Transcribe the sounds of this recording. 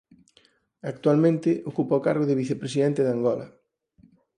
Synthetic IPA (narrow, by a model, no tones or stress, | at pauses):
ak̚t̪walmẽnt̪ɪʔokupaokaɾɣoðɪβiθepɾesiðent̪ɪðaŋɡɔlɐ̰